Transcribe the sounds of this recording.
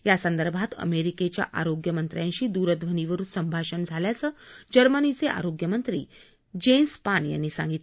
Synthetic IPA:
jasənd̪əɾbʱat̪ə̰meɾiket͡ɕja̰ʔaɾoɡjəmənt̪ɾjãɲɕiːd̪uɾəd̪ʋəniʋəɾuːnsəmbʱaɕənd͡zʱaljat͡səːd͡ʑəɾmənit͡seʔa̰ɾoɡjəmənt̪ɾḭː | d͡ʑenspanja̰nːiːsã̰ŋɡit̪

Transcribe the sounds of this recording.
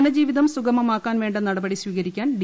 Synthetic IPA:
nɐd͡ʑiːʋiðɐmsuɡɐmɐmaːkːaːnʋe̞ːɳɖɐnɐɽɐbɐɽisʋiːɣɐɾikʲːaːnɖ

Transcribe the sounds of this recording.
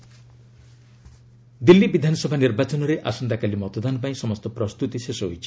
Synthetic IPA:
d̪ilːibid̪ʱanɔsɔbʱaniɾbat͡ʃɔnɔɾeʔasɔnd̪akalimɔt̪ɔd̪anɔpaĩsɔmɔst̪ɔpɾɔst̪ut̪isesɔɦo̰jt͡ʃʰi̥

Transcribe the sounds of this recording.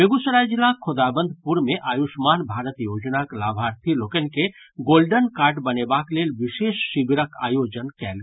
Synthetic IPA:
eɡusɾajd͡ʒilakʰod̪abənd̪ʱpuɾmeʔajuʃmanbʱaɾət̪jod͡ʒnaklabʱaɾt̪ʰilokənke | ɡolɖənkaɾʈbənebaklelʋiʃeʃːibɾəka̰jod͡ʒənkɛl

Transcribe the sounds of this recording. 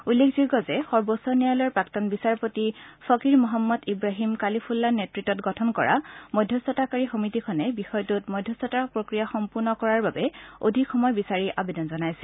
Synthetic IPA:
ulːekʰzuɡɔzɛxɔɹbɔsɔnialɔɹpɹaktɔnbisaɹpotisɔkiɹmɔɦamːɔdibɹaɦimkalipʰulːanːetɹitɔtɡɔtʰɔnkɔɹa̰mɔjdʱjɔsɔtakaɹixomitikʰɔnɛbixɔjtutmɔjdʱjɔsɔtapɹokɹijaxɔmpuɹnɔkɔɹaɹbabɛo̰dʱikxɔmɔjbisaɹiʔa̰bedɔnzɔnajsɛ̥

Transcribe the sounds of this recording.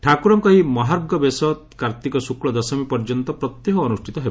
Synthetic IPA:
ʈʰakuɾɔmkɔɦimɔɦaɾb̚ɡɔbesɔt̪kaɾt̪ikɔsukɭɔd̪ɔsɔmipɔɾd͡ʒɔnt̪ɔpɾɔt̪jeɦɔːnusʈʰit̪ɔɦe

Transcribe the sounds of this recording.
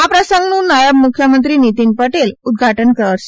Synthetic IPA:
ɦapɾəsəŋɡnuːnajəbmukʰjəmənt̪ɾiːnit̪inpəʈelud̪̚ɡʱaʈənkəɾaɾs

